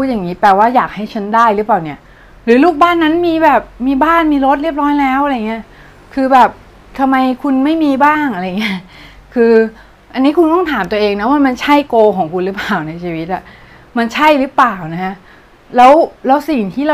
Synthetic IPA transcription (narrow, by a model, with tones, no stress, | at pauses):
u˦˥ja˨˩ŋːiː˦˥p̪ɛː˨˩waː˥˩jaː˨˩k̚ha˥˩jt͡ɕʰa˦˥ndaː˥˩jɾɯ˦˥paː˨˩wni˥˩ɐ | ɾɯː˩˦luː˥˩k̚baː˥˩nːa˦˥nmiː˧bɛː˨˩p̚miː˧baː˥˩nmiː˧ɾo˦˥t̪̚ɾi˥˩əp̚ɾɔː˦˥jlɛː˦˥wʔa˧ɾjŋːi˦˥ɐ | kʰɯː˧bɛː˨˩p̚ | t̪ʰa˧mːa˧jkʰu˧nma˥˩jmiː˧baː˥˩ŋʔa˧ɾa˧jŋi˦˥ | kʰɯː˧ | ʔa˧nːiː˦˥kʰu˧nt̪ɔ˥ŋt̪ʰaː˩˦mt̪u˧ʔeː˧ŋna˦˥waː˥˩ma˧nt͡ɕʰa˥˩jkoː˧kʰɔː˩˦ŋkʰu˧nɾɯ˦˥paː˨˩wna˧jt͡ɕʰiː˧wi˦˥t̪̚ʔa˨˩ | ma˧nt͡ɕʰa˥˩jɾɯ˦˥plaː˨˩wna˦˥kʰa˦˥ | lɛː˦˥wlɛː˦˥wsi˨˩ŋt̪ʰiː˥˩ɾa˧